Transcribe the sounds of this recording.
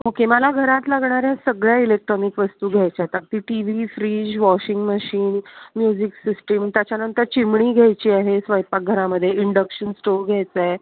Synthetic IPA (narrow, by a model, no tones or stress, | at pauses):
okeməlaɡʱəɾat̪laɡɳaɾjasəɡɭjailek̚ʈɾɔnikʋəst̪uːɡʱajt͡ɕat̪ak̚t̪iːʈiʋifɾiːd͡ʑʋɔɕiŋɡməɕiːnmjud͡ʑiksisʈəmt̪jat͡ɕjanənt̪əɾt͡ɕimɳiːɡʱajt͡ɕiːaɦesʋəjpak̚ɡʱəɾaməd̪ʱːjeiɳɖəkɕənsʈoɾɡʱajt͡saj